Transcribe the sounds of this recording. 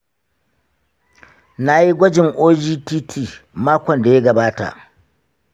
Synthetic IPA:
na˨ji˦ɡʷɔ˦d͡ʒɪ˨ŋʔoː˦d͡ʒiː˦tiː˦tʰiː˦˨maː˦kʷɔ˨nda˨je˦ɡɐ˨baː˦ta̰˨

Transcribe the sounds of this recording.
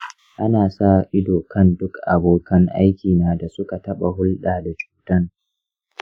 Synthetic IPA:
ʔa˦naː˨sa˦ʔɪ˦doː˨kɐ˦ndʊ˦kʔa̰˨boː˨kɐ˦ŋʔa̰˦jkʲiː˨naː˦da˨sʊ˦ka˨tɐ˦ɓa˨ɦʊ˦lɗaː˨da˨t͡ʃu̥ː˦tɐ˦ŋ

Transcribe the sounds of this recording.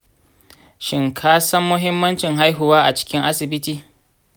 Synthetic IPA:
ʃɪ˨ŋkʰaː˦sɐ˦mːʊ˦ɦɪ˦mːɐ˦nt͡ʃɪ˨ŋɦa˦jɦʊ˨waː˦ʔa˨t͡ʃɪ̥˦kʲɪ˦ŋʔa˦sɪ˨bɪ˦tiː˦

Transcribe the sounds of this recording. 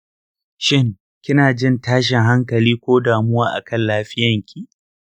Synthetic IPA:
ʃɪ˦ŋ | kʲɪ˦naː˨d͡ʒɪ˦ntaː˦ʃɪ˨ŋɦa˦ŋkɐ˨liː˦kʷoː˦daː˨mʊ˦waː˦ʔa̰˨kʰɐ˦˨nlaː˦ɸɪ˦jɐ˨ŋkʲʰi˦˨ʔ

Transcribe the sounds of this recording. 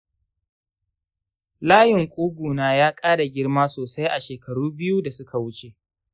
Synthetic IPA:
laː˦jɪ˨ŋkʷʼuː˦ɡʷuː˨naː˦jaː˦kʼaː˦ɽa˨ɡʲɪ˦rmaː˦soː˨sa˦jʔa˨ʃeː˨kɐ˨ɽuː˦bɪ˦ju˦da˨sʊ˦kʰa˨wʊ˦t͡ʃe˦˨ʔ

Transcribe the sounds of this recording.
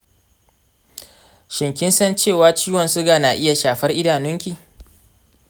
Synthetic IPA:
ʃɪ˨ŋkʲɪ˦nsɐ˦nt͡ʃeː˦˨waː˦t͡ʃiː˦wɐ˨nsʊ˦ɡaː˨naː˨ʔɪ˦ja˨ʃaː˨ɸɐ˦rʔɪ˦daː˨nʊ˦ŋkʲiː˨

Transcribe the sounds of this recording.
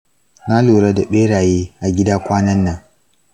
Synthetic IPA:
na˦luː˨ɽɐ˦da˨ɓeː˦ɽaː˨jeː˦ʔa˨ɡʲɪ˦daː˦kʷaː˦nɐ˦nːɐ˨ŋ

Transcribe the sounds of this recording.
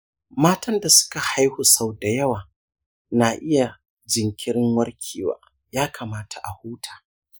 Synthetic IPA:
maː˦tɐ˦nda˨sʊ̥˦ka˨ha˦jhu˨sa˦˨wda˨jɐ˦waː˨ | na˨ʔɪ˦ja˨ | d͡ʒɪ˨ŋkʲɪ˦ɾɪ˦ŋwɐ˦ɽkʲʰiː˨wa̰ː˨ | jaː˦kʰa˨maː˦tʰa˨ʔa˨huː˦tʰḁː˨

